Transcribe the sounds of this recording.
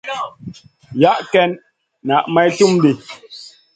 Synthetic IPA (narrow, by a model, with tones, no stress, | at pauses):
ja˦ʔkɛ˦n | na˨ʔma˦jtu˦mdi˨